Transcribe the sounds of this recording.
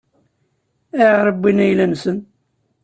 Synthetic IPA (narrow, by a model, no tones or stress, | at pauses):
æjɾˤəbːinæjlænsən